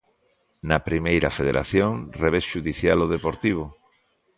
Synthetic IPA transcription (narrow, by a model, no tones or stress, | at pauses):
nɐpɾimejɾɐ̰feðḛɾʔa̰θjoŋreβ̞esʃuðiθjaloðepoɾt̪iβ̞ʊ